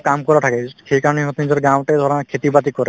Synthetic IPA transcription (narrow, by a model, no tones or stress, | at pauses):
kamkɔɾaʈʰakɛxejkaɾɔniɦot̪nizɔɾɡawʈajd̪ʱɔɾɔnakʰet̪ibat̪ikɔɾɛ